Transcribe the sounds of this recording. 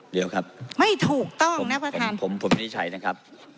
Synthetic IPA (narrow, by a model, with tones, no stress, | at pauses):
di˨˦˧wkʰɾa˦˥p̚ma˥˩jt̪ʰuː˨˩k̚t̪ɔ˥˩ŋ˩na˦˥pɾa˧t̪ʰaː˧npʰo˩˦mpʰo˨˩˦mni˦˥t͡ɕʰa˨˩˦jna˦˥kʰa˦˥p̚